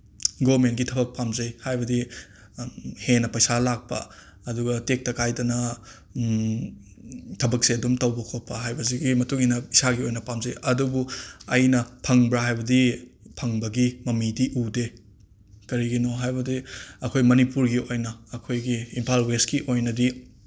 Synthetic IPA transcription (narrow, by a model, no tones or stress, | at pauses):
ɡomentɡitʰɐbɐk̚pamzɐjhajbɐdi | henɐpɐjsalak̚pɐ̰ | ɐduɡɐtek̚tɐkajdɐnɐ | tʰɐbɐk̚seɐdumtɐwbɐkʰot̚pːɐɦajbɐziɡimɐtuŋinɐisaɡiojnɐpamzɐjʔɐdubuɐjnɐpʰɐŋbɾaɦajbɐdipʰɐŋbɐɡimɐmidiʔude | kɐɾiɡinoɦajbɐdiɐkʰojmɐnipuɾɡiojnɐːkʰojɡiːmpʰalweskiʔojnɐdi